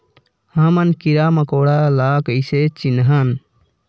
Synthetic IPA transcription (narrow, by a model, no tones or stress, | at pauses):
həmənkiɾaməkoɽalakəɪset͡ʃinɦən